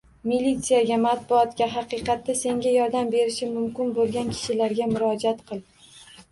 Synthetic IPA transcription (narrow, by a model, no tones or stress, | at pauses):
milʲːit̪sɨjaɡʲamat̪bʊɒt̪kʲaɦɑqɨqɑt̪ʰːase̞ŋɡʲajɒɾd̪ambe̞ɾɪʃɪmʊmkʲɪnbolˠɡʲankʲʰɪ̥ʃɪlaɾɡʲamʊɾɒd͡ʒat̪qʰɨlˠ